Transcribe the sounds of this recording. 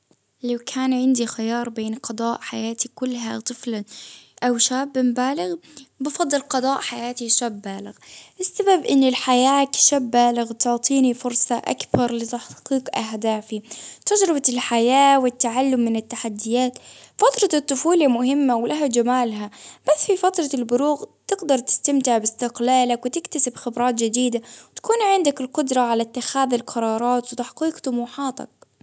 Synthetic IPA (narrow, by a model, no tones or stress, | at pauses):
lawkʰaːnʕɪnd̪ixɪjɑːɾˤbeːnqɑd̪ˤɑːʔħajaːt̪ikʊlːɦa̰t̪ˤɨflaʔawʃaːbːɪmbaːlɪɣbɑfɑd̪ˤːɨlqɑd̪ˤɑːʔħajaːt̪iʃaːbːaːlɪɣʔɪsːababʔɪnːɪlħajaːkʃabːaːlɪɣt̪ʊʕt̪ˤiːnifʊɾsˤɑʔa̰kbɑɾˤlɪt̪ɑħqiːqʔaɦd̪aːfit̪ad͡ʒɾɪbalħajaːwɪt̪ːaʕalːʊmːɪnɪt̪ːaħad̪ːɪjaːt̪fɑt̪ɾˤɑt̪ˤːʊfuːlamʊhɪmːawlaɦad͡ʒamaːlɦab̥asːfifat̪ɾˤɑlbʊɾuːɣt̪ɪɡd̪ɑɾˤt̪ɪ̥st̪amt̪ɪʕbɪst̪ɪqlaːlakwɪt̪ɪkt̪asɪbxɪbɾˤɑːt̪d͡ʒɪd̪iːd̪awt̪ḁkuːnʕɪnd̪akɪlqʊd̪ɾˤɑʕalat̪ːɪxaːðɪlqʰɑɾˤɑːɾˤɑːt̪wt̪aħqiːqt̪ʊmuːħɑːt̪ˤɑ̰k